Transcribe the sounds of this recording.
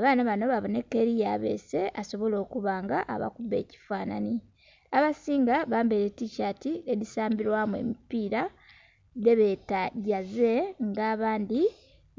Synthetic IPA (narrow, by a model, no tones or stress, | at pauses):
aβaːnaβano̞βaβone̞kːeɾijaːβe̞̰se̞ʔaso̞βo̞lo̞ːkuβaːŋɡaʔa̰βa̰kube̞̰ːci̥faːna̰ni | aβasiːŋɡaβaːmbeɾetːiʃatiedisaːmbiɾwamwe̞̰mipiːɾa | de̞βetaɟaze̞ŋɡaːβaːndi